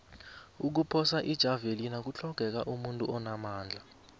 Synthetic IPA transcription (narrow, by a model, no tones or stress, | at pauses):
uk̬upʰɔsaʔid̥ʒ̥ʱavelinak̬ut͡ɬʰɔɡ̥ʱɛk̬aʔumuntʼuɔnamaːnd͡ɮʱa